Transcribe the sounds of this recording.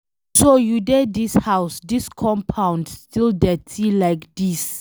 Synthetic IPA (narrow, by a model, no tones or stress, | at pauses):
sojudɛdishawsdiskʰɔ̃mpʰãw̃ndstʰildɛtʰilajkdis